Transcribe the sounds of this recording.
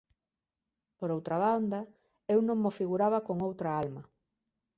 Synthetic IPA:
poɾowt̪ɾaβand̪a | ewnõŋːofiɣuɾaβakoŋowt̪ɾaalmɐ

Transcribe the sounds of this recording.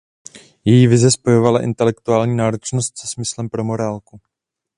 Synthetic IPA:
jɛjivɪzɛspo̞jo̞valaʔɪ̰nt̪ɛlɛkt̪uaːlɲiːnaːɾo̞t͡ʃnost̪sɛsmɪslɛmpɾo̞mo̞ɾaːlku

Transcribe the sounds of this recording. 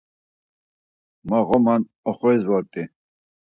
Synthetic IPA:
maʁɔman | ɔχɔɛzwaɾt̪ʼi

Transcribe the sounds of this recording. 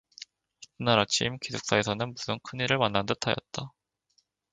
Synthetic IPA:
tɯnaɾat͡ɕʰimkisʰuk̚s͈ae̞sʰʌnɯnbusɯnkʰɯniɾɯɭmanːandɯtʰajʌt̚t͈a

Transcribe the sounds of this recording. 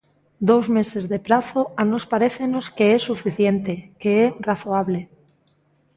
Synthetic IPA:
d̪ozme̞se̞zðe̞pɾaθo̞anospaɾeθeno̞ske̞esːufiθje̞nt̪e̞keeraθoaβ̞le̞

